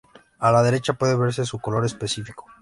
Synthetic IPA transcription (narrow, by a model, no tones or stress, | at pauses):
alaðe̞ɾe̞t͡ʃapwe̞ðeβe̞ɾse̞suko̞lo̞ɾe̞spe̞sifiko̞̥